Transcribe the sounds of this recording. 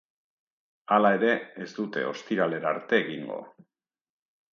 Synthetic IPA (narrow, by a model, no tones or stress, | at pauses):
alae̞ɾe̞ezd̪ut̪e̞̰o̞̰st̪iɾale̞ɾaɾt̪e̞ːɣiŋɡo̞̰